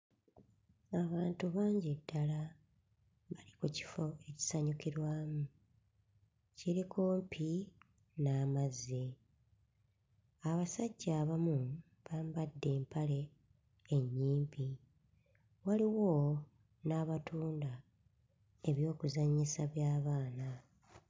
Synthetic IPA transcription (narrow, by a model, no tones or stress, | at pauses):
aβaːntuβaːɲɟedːala | βalikuci̥fo̞e̞ci̥saɲukiɾwaːmu | ciɾikʰo̞ːmpʰi | naːmazːe̞ | aβasaɟːaːβamu | βaːmbadːe̞ːmpale̞ː | ɲːiːmbi | waliwo | naːβatuːnda | e̞βjo̞ːkuzaɲːisaβjaːβaːna